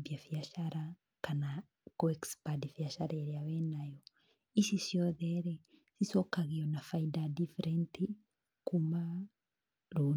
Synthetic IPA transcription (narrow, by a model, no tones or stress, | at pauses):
bjafiaʃaɾa | kana | koekspadifjaʃaɾeɾeawɛnajɔ | isisjɔðɛɾɛsisɔkaɣijɔnafaidadifeɾenti | kuma | ɾu